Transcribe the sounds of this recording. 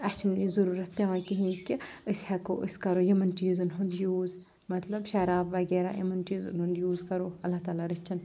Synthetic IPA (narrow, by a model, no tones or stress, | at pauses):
ɐt͡ʃʰɐniːzɐɾuːɾɐt̪ːeʋãːkiɦĩːkiəshɛkoʔəskɐɾoːjimɐnʈiːzɨnɦʊnd̪juːz | mɐt̪lɐbʃɐɾaːbʋɐɡeːɾa̰ːjḭmɐnʈiːzɨ̰nɦũnd̪juːzkɐɾoːɐlːat̪aːlaɾɐt͡ʃʰːɐn